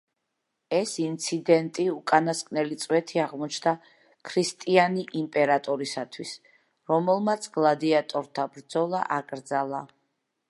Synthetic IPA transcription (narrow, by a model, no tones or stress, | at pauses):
ɛsint̪sʰid̪ɛnt̪ʼiukʼanaskʼnɛlit̪sʼwɛt̪ʰiaʁmɔt͡ʃʰd̪a | kʰɾist̪ʼianiʔimpʼɛɾat̪ʼɔɾisat̪ʰwis | ɾɔmɛlˠmat̪sʰɡlˠad̪iat̪ʼɔɾt̪ʰabɾd̪zɔlˠa̰ʔakʼɾd̪zalˠa